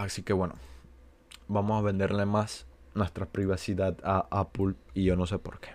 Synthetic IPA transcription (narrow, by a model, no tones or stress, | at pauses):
asike̞βwe̞no̰ | bamosaβe̞nd̪e̞ɾle̞mas | nwe̞st̪ɾapɾiβasiðaðaʔapuliʝo̞no̞s̬epo̞̰ɾke̥